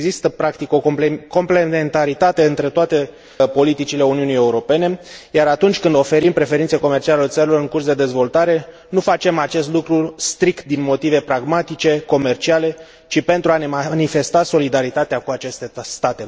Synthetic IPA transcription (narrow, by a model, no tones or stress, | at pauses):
ɡzist̪əpɾakt̪iko̞kpeko̞mple̞ent̪aɾit̪at̪e̞ɨnt̪ɾe̞t̪oat̪e̞ | po̞lit̪it͡ʃile̞uniunije̞uɾo̞pe̞ne̞jaɾat̪unt͡ʃʲkɨnd̪o̞fe̞ɾimpɾe̞fe̞ɾint̪seko̞me̞rt͡ʃialelet̪səɾilo̞ɾɨŋkursd̪e̞d̪e̞zvo̞lt̪aɾe̞ | nufat͡ʃe̞mat͡ʃe̞st̪lukɾust̪ɾikt̪̚d̪inmo̞t̪ive̞pɾaɡmat̪it͡ʃe̞ko̞me̞rt͡ʃiale̞ | t͡ʃipe̞nt̪ɾuaneanife̞st̪aso̞lid̪aɾit̪at̪eakuat͡ʃe̞st̪est̪at̪e̞